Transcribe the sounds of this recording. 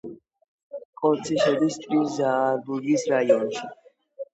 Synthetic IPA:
kʼɔt̪sʰiʃɛd̪ist̪ʼɾiszaːɾbuɾɡisɾajɔnʃi

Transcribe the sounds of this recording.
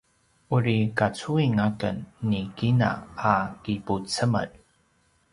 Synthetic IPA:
uɾikat͡suiŋakənːikina̰akiput͡səmə̰d

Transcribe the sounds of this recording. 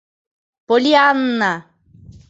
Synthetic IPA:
polianːa

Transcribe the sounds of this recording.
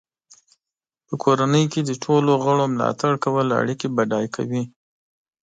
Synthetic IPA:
pəkʰoɾanəjked̪əʈʰoloɣəɽomlɑ̰t̪aɽkawəla̰ɽikibaɖɑjkʰa̰wi

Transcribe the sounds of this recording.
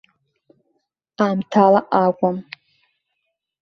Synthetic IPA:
amtʰalaʔakʷʼam

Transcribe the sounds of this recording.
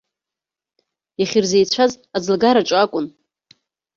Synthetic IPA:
jaχʲɪrzejt͡ɕʷʰaz | ad͡zlɡaɾaʈ͡ʂʷʼakʷʼʊn

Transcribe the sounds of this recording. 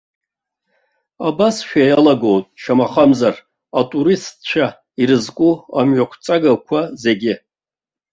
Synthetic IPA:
abasʃᶣajalaɡowtʼʃamaχamzar | atʼuɾistt͡ʃʷʰa | iɾɨzkʷʼuamɥakʷʰt͡sʼaɡakʷʰaze̞ɡʲɪ

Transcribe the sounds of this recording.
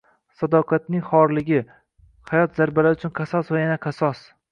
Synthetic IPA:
sɒd̪ɒqʰat̪nɪŋʲχɒɾlɪɡʲɪ | hajɒt̪z̥aɾbalaɾɪʊt͡ʃʰʊnqʰɑsɒsvajanaqʰɑsɒs

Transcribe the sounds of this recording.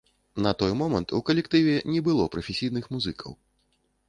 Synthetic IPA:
nɐt̪ɔjmɔmɐnt̪ukɐlʲɛkt̪ɨvʲɛnʲɛbɨlˠɔpɾɐfʲɛsʲijn̪ɨxmuzɨkʰɐ̰w

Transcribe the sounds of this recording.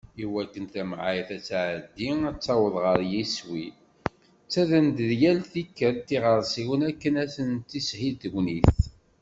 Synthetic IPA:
iwækːənt̪æmʕajθæt͡sːʕəd̪ːiæt͡sːɑwəðˤʁəɾjiswi | t͡sːæðənd̪əðjælθikːəɾt̪ːiʁəɾˤsiwənækːənæsənt̪ːishit̪əɡʷniθ

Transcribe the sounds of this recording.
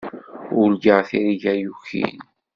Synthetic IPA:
ʊlɡəʁθiɾiʝæjuçḭn

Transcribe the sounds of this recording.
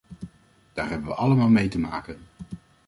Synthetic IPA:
d̥aːɹɦɛbənʋə̰ʔɑləmaːlˠmejtəma̰ːkən

